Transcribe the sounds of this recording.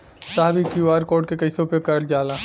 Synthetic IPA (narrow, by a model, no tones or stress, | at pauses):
saːɦbʱikjuaːɾkoːɾʈkekɐɪsõpekɐɾld͡ʒaːlaː